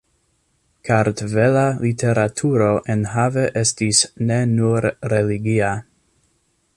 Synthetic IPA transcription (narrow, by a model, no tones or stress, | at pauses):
kʰaɾtvelalitʰe̞ɾatʰuɾoʔenɦave̞ʔestisnenuɾɾeliɡia